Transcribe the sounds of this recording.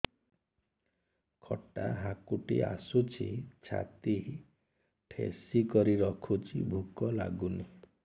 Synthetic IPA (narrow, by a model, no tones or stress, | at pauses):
kʰɔʈaɦakuʈḭa̰sut͡ʃʰit͡ʃʰa̰t̪i | ʈʰḛsikɔɾiɾɔkʰut͡ʃʰibʱukɔla̰ɡuni